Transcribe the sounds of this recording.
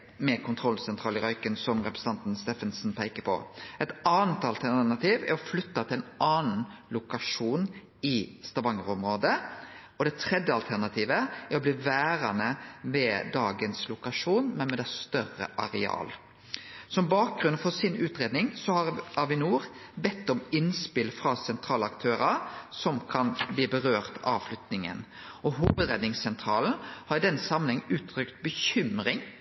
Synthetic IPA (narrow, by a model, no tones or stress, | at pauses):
mɛkʰʊnt̪ʰɾɔlsɛnt̪ʰʁɑːlɪɾɑʏkənsɔmɾɛpɾəsət̪ɑnt̪n̩st̪ɛfənsn̩pʰæɪkəpʰɔ̰ɛt̪ɑːnət̪ɑlt̪ʰænɑt̪ʰiːʋæ̰ɾɔflʏt̪ːɑt̪ʰɪlɛnɑːnn̩lʊkɑʂuːn | ɪst̪ɑʋɑŋəʁʊmɾoːd̪ə | ɔd̪ɛt̪ʰɾɛd̪jəɑlt̪ʰæʁnɑt̪ʰiːʋəæɾɔbliːʋæːɾɑnəmɛd̪ɑːɡənslʊkɑʂuːnmɛnmɛd̪ɛst̪œɾə̰ʔɑɾɛɑ̰ːl | sɔmbɑːk̚ɡɾʉnfɔsɪnʉːt̪ɾeːd̪nɪŋsɔhɑɑʋɪnuːɾbɛt̪ːɔmɪnspɪlfɾɑsɛnt̪ʰɾɑːlɑkt̪ʰøːɾɑɾsɔmkʰɑnbliːbəʁøːʁt̪ɑ̰ʋflʉt̪nɪŋə̰n | ʔɔɦuːʋəd̪ɾeːd̪nɪŋssɛnt̪ʰɾɑːln̩hɑɾd̪ɛnsɑmnɪŋʉːt̪ʰːɾʏkt̪bəçʏmɾɪŋ